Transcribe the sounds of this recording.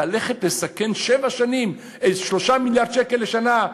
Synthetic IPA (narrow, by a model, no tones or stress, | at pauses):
ale̞χet̪le̞sakenʃevaʃanim | eʃlo̞ʃamiljaʁd̪̚t͡ʃekeleʃana